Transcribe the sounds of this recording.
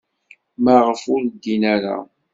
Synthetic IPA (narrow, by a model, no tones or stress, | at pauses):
mæʁəfʊɾd̪ːinæɾa̰